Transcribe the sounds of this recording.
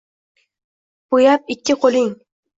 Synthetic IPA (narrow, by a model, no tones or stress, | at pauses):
b̥ujɑp̚ɪkʲːɪqʰoliŋ